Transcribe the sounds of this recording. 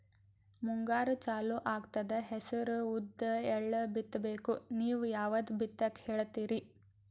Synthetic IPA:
muŋɡaːɾut͡ʃaːluʔaːɡt̪ɐd̪eɦesɐɾuud̪ːɐɛɭːɐbit̪ːɐbeːkuniːʋujaːʋɐd̪bit̪ːɐkheːɭt̪iːɾi

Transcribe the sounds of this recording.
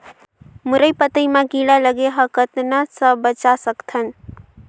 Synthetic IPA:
muɾəjpət̪əjmaɡilaləɡeɦəkət̪nasəbət͡ʃasəkt̪ʰən

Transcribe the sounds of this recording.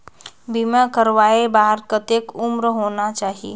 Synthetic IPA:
bimãkəɾʋaːebaːɦəɾkət̪ekʊmɾɦoːnat͡ʃaːɦiḛː

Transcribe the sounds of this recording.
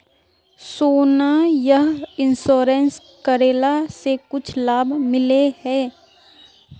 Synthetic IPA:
soːnajəɦɪnsoːɾẽns | kəɾeːlasekʊt͡ʃʰlaːbʱmɪlehɛː

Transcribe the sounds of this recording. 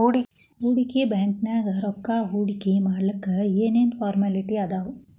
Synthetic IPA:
uːɽiɦuːɽikibaːŋknaɡɐɾɔkːaɦuːɽikimaːɽlɐkːɐeːneːnpʰaːɾmɐliʈiɐd̪aːʋu

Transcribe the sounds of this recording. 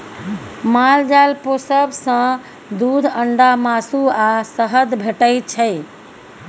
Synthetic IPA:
mald͡ʒalposəbsə̃ | d̪ud̪ʱəɳɖamasuasəɦəd̪bʱeʈəjt͡ʃʰəj

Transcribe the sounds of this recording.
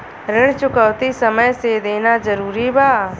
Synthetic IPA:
ɾɪɽ̃t͡ʃʊkəʋt̪isəməjsed̪eːnazəɾuːɾibaː

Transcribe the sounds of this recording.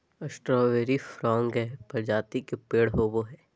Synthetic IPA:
ɐsʈɾɔːʋeːɾifɾɔ̃ːŋɡɦɛːpɐɾd͡ʒaːt̪ikepeːɽɦoːboɦɛː

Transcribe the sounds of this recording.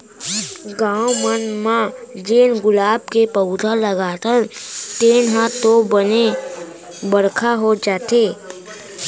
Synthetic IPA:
ɡãːʊmənmãd͡ʒeːnɡʊlaːb̚kepəʊd̪ələɡaːt̪əɾt̪eːnɦãt̪obəne | bəɾkʰaɦod͡ʒaːt̪eː

